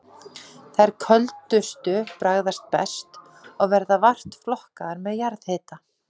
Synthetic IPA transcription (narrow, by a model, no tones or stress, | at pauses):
θajɾ̥kʰœlt̪ʏst̪ʏpɾaɣðast̪̚pɛ̰st̪ | ɔɣvɛɾðavar̥t̪flɔhkaðaɾmɛðjaɾðhɪːt̪a